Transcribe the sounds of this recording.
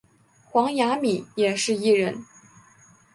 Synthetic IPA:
xwɑ˧˥ŋja˧˥mi˨˩˦jɛ˨˩ʂɻ̩˥˧i˥˩ɻə˧˥n

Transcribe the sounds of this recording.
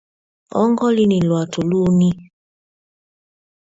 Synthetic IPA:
ɔ̰˦ŋɡɔ˦li˦ni˨lwa˨tʰo˨lu˦ni˦

